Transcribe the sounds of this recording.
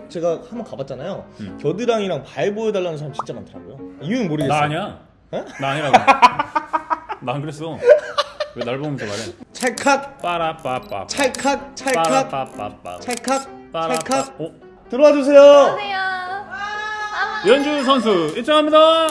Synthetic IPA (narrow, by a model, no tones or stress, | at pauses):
t͡ɕe̞ɡahambʌnkabat̚t͡ɕ͈anajokjʌdɯɾaŋiɾaŋpaeboedaɭːanɯnsʰaɾamt͡ɕint͡ɕ͈amantʰɯɾa̰ɡojoiunɯnmoɾɯɡensaɲia | henaːɲiɾaɡ | nankɯɾes͈o | naɭbomnsʰomaɾet͡ɕʰaɭkʰak̚p͈aɾap͈ap͈a̰t͡ɕʰaɭkʰak̚t͡ɕʰaɭkʰakapa̰p͈a̰t͡ɕʰaɭkʰak̚p͈at͡ɕɾaɭkʰao | tɯɾʌwad͡ʑos̬ʰe̞jo | jʌnd͡ʑus̬ʰʌns̬ʰuiɭt͡ɕ͈ʰʌŋɦamɲida